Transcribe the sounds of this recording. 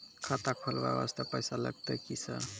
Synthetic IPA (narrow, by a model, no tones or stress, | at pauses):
kʰat̪akʰolba̰ba̰st̪əpəjsalə̰ɡ̚t̪əkisʌ̰